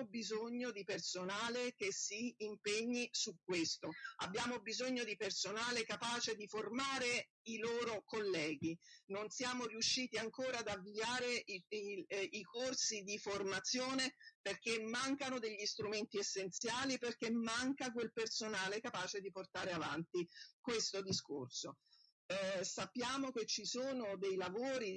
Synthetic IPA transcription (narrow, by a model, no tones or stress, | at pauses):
bizoɲːod̪ipersonaːlek̟esːiːmpeɲːisuk̚ːwest̪oa̰bːjaːmobizoɲːod̪ipersonaːlekapaːt͡ʃed̪iformaːɾe | iloːɾokolːɛːɡinonsjaːmoriuʃːiːt̪iaŋkoːɾaːd̪aviaːɾe | ikorsid̪iformat̪sːjoːneperk̟emːaŋkanod̪eʎːist̪ɾument̪iesːent̪sjaːliperkːemːaŋkak̬welpersonaːlekapaːt͡ʃed̪iport̪aːɾeava̰nt̪ikwest̪od̪iskorso | sapːjaːmoket͡ʃːisoːnod̪ejlavoːɾi